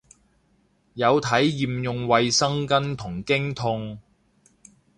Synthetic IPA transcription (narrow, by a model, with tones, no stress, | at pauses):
jɐ˨˧wt̪ʰɐ˨˥jːiː˨mjʊ˨ŋwɐ˨jsɐ˥ŋkɐ˥nt̪ʰʊ˨˩ŋkɪ˥ŋt̪ʰʊ˧ŋ